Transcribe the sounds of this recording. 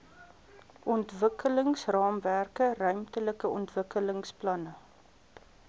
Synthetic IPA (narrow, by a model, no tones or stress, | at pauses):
ʔɔntvəkələŋsrɑːmværkərœɥmtələkəɔntvəkələŋsplɐnə